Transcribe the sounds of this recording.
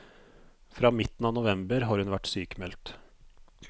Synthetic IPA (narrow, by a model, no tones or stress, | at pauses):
fɾɑːmɪt̪n̩ɑːnʊʋɛmbəɾɦɑːɾhʉnʋæʈsyːkmɛlt̪